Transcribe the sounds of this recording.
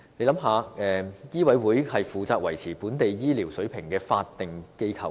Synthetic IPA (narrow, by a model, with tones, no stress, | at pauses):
ne˨˧jlɐ˨˥mɦaː˨ɛː˨jiː˥wɐ˨˧˥jwuː˨˥jhɐ˨jfuː˨t͡saː˧k̚wɐ˨˩jt͡sʰiː˨˩puː˨˥nt̪e˨jjiː˥li˨˩wsɵ˨˥ɥpʰɪ˨˩ŋkɛː˧faː˧t̚t̪ːɪ˨ŋke˥jkʰɐ̰˨˧˨w